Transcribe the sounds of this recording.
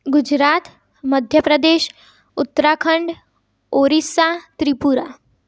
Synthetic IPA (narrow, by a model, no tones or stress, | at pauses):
ɡud͡ʑɾaːt̪ | məd̪ʱjəpɾəd̪eːɕ | ut̪ːɾakʰəɳɖ | oɾisat̪ɾipuɾa